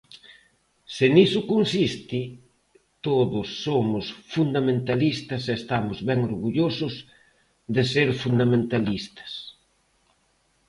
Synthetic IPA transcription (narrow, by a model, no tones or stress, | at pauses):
senisʊkonsist̪ɪ | t̪oðʊsːomʊsfund̪amẽnt̪alist̪ɐsest̪amʊzβɛŋoɾɣuʎosʊz | ðɪseɾfund̪amẽnt̪alist̪ɐ̥s